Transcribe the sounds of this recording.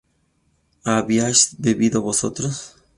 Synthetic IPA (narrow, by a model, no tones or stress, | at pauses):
aβiasd̪eβiðoβoso̰t̪ɾos